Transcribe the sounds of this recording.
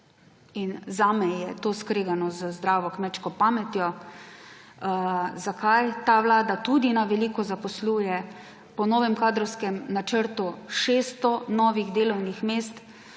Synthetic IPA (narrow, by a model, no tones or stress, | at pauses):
inzaːmɛjɛt̪oːskɾeːɡanɔzəzd̪ɾaːʋɔkmɛt͡ʃkɔpaːmɛt̪jɔ | zakʰajt̪aʋlaːd̪at̪ud̪inaʋɛliːkɔzapɔsluːjɛ | pɔnɔːʋɛmkaːd̪ɾɔwskɛmnat͡ʃəɾt̪uʃeːst̪ɔnɔːʋiɣd̪eːlɔwnixmeːst̪